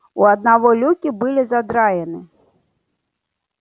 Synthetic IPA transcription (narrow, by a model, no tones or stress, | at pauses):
uɐd̪̚navɔlʲukʲibɨlʲizad̪ɾajɛnɨ